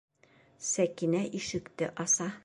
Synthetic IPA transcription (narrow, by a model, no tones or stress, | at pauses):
sækinæʔiʃɘ̆kt̪ɘʔɑsɑ